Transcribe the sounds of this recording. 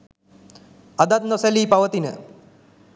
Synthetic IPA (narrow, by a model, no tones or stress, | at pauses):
ad̪at̪̚noseliːpaʋət̪inə̰